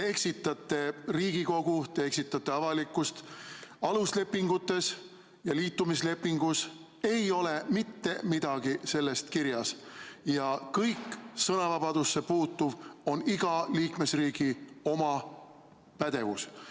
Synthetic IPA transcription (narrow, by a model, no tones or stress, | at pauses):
tee̞ksit̪ːˑɑt̪ːˑe̞riːɡ̥iko̞ɡ̥ut̪e̞eksit̪ːˑɑt̪ːˑe̞ɑvɑlikːˑust̪ɑlusle̞pːˑiŋɡ̥ut̪ːˑe̞s | jɑliːt̪ːumisle̞pːiŋɡ̥us | e̞jo̞le̞mit̪ːe̞mid̪̥ɑɡ̥ise̞lːe̞st̪kiɾjɑsjɑkɤjksɤnɑvɑb̥ɑd̪̥usːe̞puːt̪ːuvo̞niɡ̥ɑliːkme̞sriːɡio̞mɑ | pæd̪̥e̞vṵs